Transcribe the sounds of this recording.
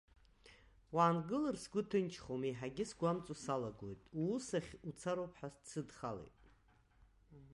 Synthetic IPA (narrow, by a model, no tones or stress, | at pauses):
waːnɡɨlɨrsɡʷʊtʰɨnt͡ʃʰχomiħaɡʲɪsɡʷamt͡sʼusalaɡo̰jtʼusaχʲut͡sʰaɾopʰħast͡sʰɨdχalḛjtʼ